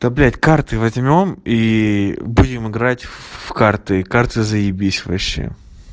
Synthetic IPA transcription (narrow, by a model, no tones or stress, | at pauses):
t̪ɐblʲætʲkart̪ɨvɐzʲmʲo̞mi | budʲɪmɨɡɾatʲfkart̪ɨkart̪ɨzəjɪbʲisʲvɐ̰ɕːḛ